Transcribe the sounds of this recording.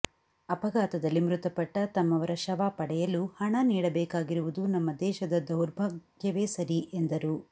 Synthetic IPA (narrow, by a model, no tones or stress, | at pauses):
ɐpɐɡaːt̪ɐd̪ɐlːimɾut̪ɐpɐʈːɐt̪ɐmːɐʋɐɾɐʃɐʋaːpɐɽɛjɐluhɐɳɐniːɽɐbɛːkaːɡiɾuʋud̪unɐmːɐd̪ɛːʃɐd̪ɐd̪ɐwɾbʱɐɡɡjɐʋe̞ːsɐɾiʔe̞nd̪ɐɾu